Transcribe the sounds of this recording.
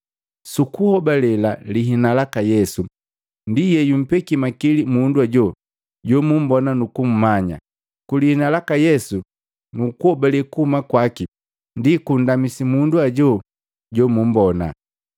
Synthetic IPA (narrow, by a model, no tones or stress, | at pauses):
sukuhɔbalɛlaliɦinalakajɛsu | ndijɛjum̩pɛkimakilimunduaɟɔ | ɟɔmum̩bɔnanukum̩maɲa̰ | kulihinalakajɛsu | nukuhɔbalɛkuhumakwaki | ndikun̩damisimunduaɟɔ | ɟɔmum̩bɔna̰